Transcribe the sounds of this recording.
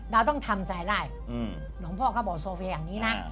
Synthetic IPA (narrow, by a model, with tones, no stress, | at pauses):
ɾaː˧wt̪ɔ˥˩ŋt̪ʰa˧mt͡ɕa˧jdaː˥˩j | nɔː˩˦ŋpʰɔː˥˩kɔ˥˩bɔː˨˩soː˧fi˧jaː˨˩ŋniː˦˥na˦˥ʔ